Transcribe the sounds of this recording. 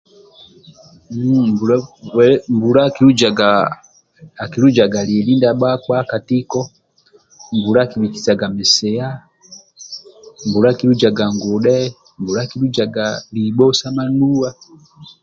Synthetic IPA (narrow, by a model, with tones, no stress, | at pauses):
m | mbu˨ɾakiɾu˦d͡ʒa˨ɡa | a˨ki˨ɾu˦d͡ʒa˨ɡa˨li˨li˦nda˦ɓa˦kwa˦ka˨ti˦kɔ˦ | mbuɾakiβiki̥˨sa˨ɡa˨mɛ˨sɛ˨a˦ | mbu˨ɾaki˦ɾud͡ʒa˨ɡa˨ŋɡɔ˨ɗɛ˦ | mbu˨ɾa˦ki˦ɾud͡ʒa˨ɡaliɓɔ˦sa˦ma˦nuwa˦